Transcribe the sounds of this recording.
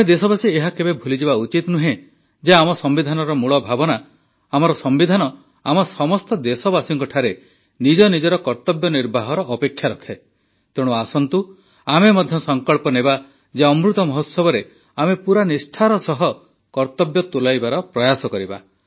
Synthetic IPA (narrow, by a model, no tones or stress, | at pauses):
amed̪esɔbasieɦakebebʱulid͡ʒibaut͡ʃit̪nuɦẽ | d͡ʒeamɔsɔmbid̪ʱanɔɾɔmuɭɔbʱabɔna | amɔɾɔsɔmbid̪ʱanɔ | a̰mɔsɔmɔst̪ɔd̪esɔbasiŋkɔʈʰaɾe | nid͡ʒɔnid͡ʒɔɾɔkɔɾt̪ɔbjɔniɾbʱaɦɔɾɔʔːpekʰːjaɾɔkʰe | t̪eɽ̃uasɔnt̪u | amemɔd̪ʱjɔsɔŋkɔɭpɔneba | d͡ʒeɔmɾut̪ɔmɔɦɔt̪sɔbɔɾe | amepuɾanisʈʰaɾɔsɔɦɔ | kɔɾt̪ɔbjɔt̪ulajbaɾɔpɾɔjasɔkɔɾiba̰